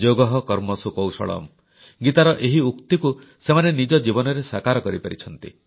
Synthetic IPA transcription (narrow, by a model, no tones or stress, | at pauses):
d͡ʒoɡɔɦɔkɔɾmɔsukɔwsɔ̰ɭɔ̰m | ɡit̪aɾɔʔeɦiukt̪iku | semanenid͡ʒɔd͡ʒibɔnɔɾesakaɾɔkɔɾipaɾit͡ʃʰɔnt̪ḭ